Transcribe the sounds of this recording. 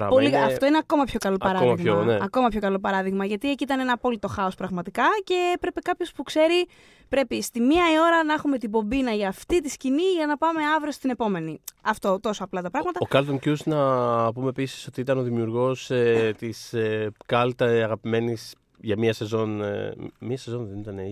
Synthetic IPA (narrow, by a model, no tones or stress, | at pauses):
ɾɐpoliɐft̪o̞ineɐko̞mɐpço̞kɐlo̞pɐɾɐiɣmɐneɐko̞mɐpço̞kɐlo̞pɐɾɐðiɣmɐʝɐt̪ieciit̪ɐnenɐːpo̞lit̪o̞xɐo̞spɾɐɣmɐt̪ikɐce̞pɾe̞pekɐpço̞spukse̞ɾi | pɾe̞pist̪imiɐio̞ɾɐnɐexume̞t̪ibo̞binɐʝɐːft̪it̪isciniʝɐnɐpɐme̞ɐvɾiost̪ine̞po̞me̞niɐft̪o̞t̪o̞soɐplɐt̪ɐpɾɐɣmɐt̪ɐokɐlt̪oncuznɐpumepisi̥so̞t̪iit̪ɐno̞ðimiuɾɣo̞set̪isekɐlt̪ɐɐɣɐpime̞nis | ʝɐmiɐse̞zo̞n | miɐsezo̞nðenit̪ɐne